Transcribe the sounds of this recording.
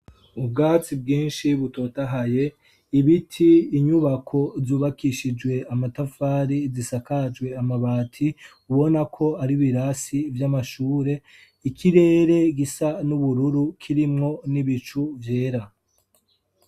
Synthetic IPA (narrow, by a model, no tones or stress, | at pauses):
ub̚ɡaːt͡sib̚ɡiːnʃiβuto̞taɦaje̞ | iβitʰiːɲuβakʰo̞zuːβakiʃid͡ʒwe̞amatafaːɾizisakad͡ʒɡwe̞amaβaːtʰi | uβo̞nakʰo̞aɾiβiɾasivjamaʃuːɾe̞ | ikʰiɾe̞ːɾe̞ɡisanuβuɾuɾukʰiɾimŋo̞niβit͡ʃuvje̞ːɾa